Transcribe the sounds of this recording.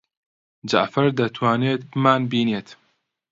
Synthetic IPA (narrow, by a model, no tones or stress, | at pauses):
d͡ʒa̰ʔfɐɾd̪ɐt̪ʰwaːneːt̪bɨmaːnbiːneːt̪